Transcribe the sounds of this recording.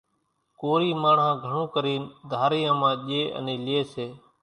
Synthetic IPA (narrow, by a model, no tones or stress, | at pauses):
koːɾiːmaːɳɦãːɡʱəɳõːkəɾiːnd̪ʱaːɾɪjãːmãːʄeːʔə̰nĩːlɪjeːseː